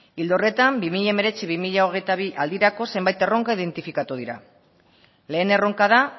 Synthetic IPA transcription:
ild̪o̞re̞t̪ambimiʎaeme̞ɾe̞t͡siβ̞imiʎao̞ɣ̞e̞jt̪aβiʔald̪iɾako̞se̞mbajt̪e̞ro̞ŋkaiðe̞nt̪ifikat̪uð̞iɾa̰ | le̞ːne̞ro̞ŋkað̞a

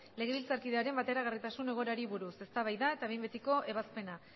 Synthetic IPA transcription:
le̞ɣe̞βilt͡saɾkiðe̞aɾe̞mbat̪e̞ɾaɣ̞arit̪asune̞ɣ̞o̞ɾaɾiβuɾuse̞st̪aβajðae̞t̪aβe̞mbe̞t̪iko̞ʔe̞βaspe̞na

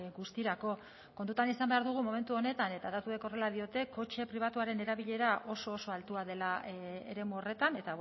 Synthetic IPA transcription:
ɡust̪iɾako̞ | ko̞nt̪ut̪anisambe̞aɾðuɣ̞umo̞me̞nt̪uo̞ne̞t̪ane̞t̪aðat̪ueko̞re̞lað̞io̞t̪e̞ko̞t͡ʃe̞pɾiβ̞at̪uaɾe̞ne̞ɾaβiʎe̞ɾaʔo̞so̞ːso̞alt̪uaðe̞laḛɾe̞muore̞t̪ane̞t̪a

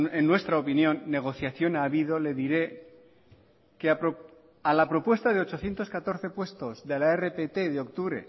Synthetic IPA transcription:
enːwe̞st̪ɾaopinjõ̞nːe̞ɣ̞o̞θjaθjo̞naːβiðo̞le̞ðiɾe̞ | kea | alapɾo̞pwe̞st̪aðeo̞t͡ʃo̞θjent̪o̞skat̪o̞ɾθe̞pwe̞st̪o̞zðe̞laerepet̪e̞ðeo̞k̚t̪uβɾe̞̰

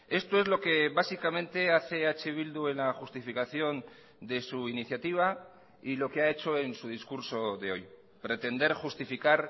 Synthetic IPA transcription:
e̞st̪o̞e̞zlo̞ke̞βasikamẽ̞nt̪e̞aθe̞at͡ʃeβ̞ild̪ue̞nlaxust̪ifikaθjo̞n | d̪e̞suiniθjat̪iβ̞a | ilo̞keae̞t͡ʃo̞e̞nsuð̞iskuɾso̞ðeo̞j | pɾe̞t̪e̞nd̪e̞ɾxust̪ifikaɾ

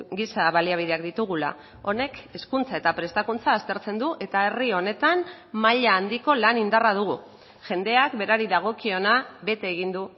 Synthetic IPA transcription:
ɡisaβaliaβ̞iðe̞akd̪it̪uɣ̞ula̰ | o̞ne̞ke̞skunt͡sae̞t̪apɾe̞st̪akunt͡saːst̪e̞ɾt͡se̞nd̪uʔe̞t̪ae̞rio̞ne̞t̪am | maʎaːnd̪iko̞lanind̪arað̞uɣu | ʝe̞nd̪e̞akbe̞ɾaɾiðaɣ̞o̞kio̞naβe̞t̪e̞ːɣ̞ind̪u

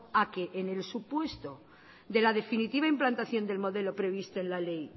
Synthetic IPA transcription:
ake̞ʔːne̞lsupwe̞st̪o̞ | d̪e̞lað̞e̞finit̪iβ̞aimplant̪aθjo̞nd̪e̞lmo̞ðe̞lo̞pɾe̞β̞ist̪oe̞nlale̞j

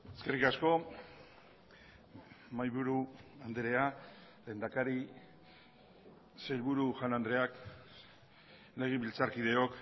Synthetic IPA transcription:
e̞ske̞rikasko̞ | majβuɾuand̪eɾe̞ale̞ːnd̪akaɾi | sejlβuɾuʝanand̪ɾe̞ak | le̞ɣ̞iβilt͡saɾkiðe̞o̞k

